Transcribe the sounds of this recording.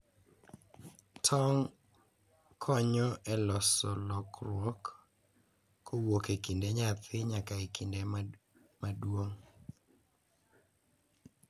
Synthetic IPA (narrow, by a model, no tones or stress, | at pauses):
tʰɔŋ | kʰɔɲɔʔɛlɔsɔlɔkɾwɔk | owokekindeɲat̪ʰɪɲakaekʰinde | madwoŋ